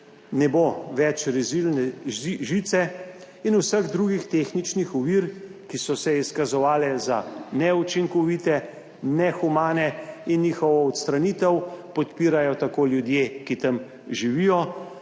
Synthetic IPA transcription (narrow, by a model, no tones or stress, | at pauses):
nɛboʋɛt͡ʃɾizilnɛʒit̪sɛ | inusəɣd̪ɾuɡixt̪exnit͡ʃnixuʋiɾkisɔsɛiskazɔʋaːlɛza̰nɛut͡ʃiŋkɔʋiːt̪ɛ | nɛxumaːnɛinːiːxɔʋɔɔt̪st̪ɾanit̪əwpɔt̪piːɾajɔt̪akoːljud̪jeːkit̪əm | ʒiʋijɔ